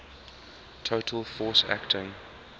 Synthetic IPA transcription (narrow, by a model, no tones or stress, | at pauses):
tʰoʊtʰəlˠfɔːˑsæ̰ktʰɪ̃ŋ